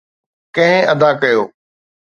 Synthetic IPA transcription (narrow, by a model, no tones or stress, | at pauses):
kɐ̃ɦɪ̃ɐd̪akɐjoː